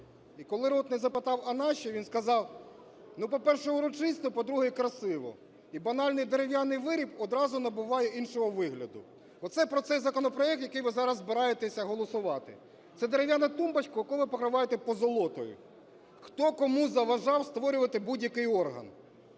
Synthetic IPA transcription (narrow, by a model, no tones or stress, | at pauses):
ikɔlˠɪɾɔt̪nɛzɐpɪt̪ɑwɐnɑʃiʋinskɐzɑw | nupɔpɛrʃɛʊɾɔt͡ʃɪst̪ʊpɔd̪ɾuɦɛjkɾɐsɪʋɔ̰ | ibɐnɑlʲnɪjd̪eɾeʋjanɪjʋɪɾʲipɔd̪ɾɑzʊnɐbʊʋɑjeʔinʃɔɦɔʋɪɦlʲɐd̪ʊ | ɔt̪sɛpɾɔt̪sɛjzɐkɔnɔpɾɔɛk̚t̪jɐkɪjʋɪzɑɾɐzːbeɾɑjet̪esʲɐɦɔlˠɔsʊʋɑt̪ɪ̰ | t̪sɛd̪eɾewjanɐt̪umbɐt͡ʃkɔjɐkɔʋɪpɔkɾɪʋɑjet̪ɛpɔzɔlˠɔt̪ɔjʊ̰ | xt̪ɔkɔmuzɐʋɐʒɑwst̪ʋɔɾʲʊʋɐt̪ɪbudʲjɐkɪjɔrɦɐ̰n